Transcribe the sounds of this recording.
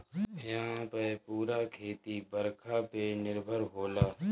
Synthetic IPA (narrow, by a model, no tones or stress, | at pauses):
ɪjãpəpuːɾaːkʰeːt̪ibəɾkʰaːpenɪɾbʱəɾɦoːlaː